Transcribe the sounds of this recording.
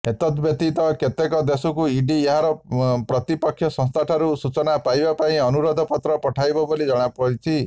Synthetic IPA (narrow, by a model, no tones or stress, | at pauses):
ɦet̪ɔt̪ɔbjɔk̚t̪it̪ɔket̪ekɔd̪esɔkuiɖieɦaɾɔpɾɔt̪ipɔkʰːjɔsɔ̃st̪ʰaʈʰaɾusut͡ʃɔnapajbapaĩɔnuɾɔd̪ʱɔpɔt̪ɾɔpɔʈʰajbɔbolid͡ʒɔɽ̃apɔɾit͡ʃʰi